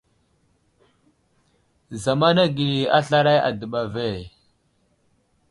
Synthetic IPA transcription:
za˨ma˦na˦ɡi˨li˨a˦ɬa˦ɾa˦ja̰˨də˨ɓa˨ve˦˨

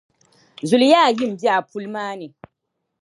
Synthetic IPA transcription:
zʊ˨ljaː˦˨ji˦˨m̩˨bi˦a˨pʰu˦lmaː˦ne˨

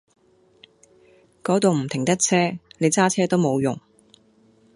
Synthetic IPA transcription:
kɔː˨˥t̪o˨wm̩˨˩t̪ʰɪ˨˩ŋt̪ɐ˥k̚t͡sʰɛː˥ne˨˧jt͡saː˥t͡sʰɛː˥t̪o˥wmo˨˧wjʊ̰˨˩ŋ

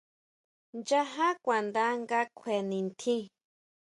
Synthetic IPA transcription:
nd͡ʒa˦ɦã˦kʷã˨nd̪a˦ŋɡa˦kʷʰe˨nĩ˨nt̪ʰĩ˦

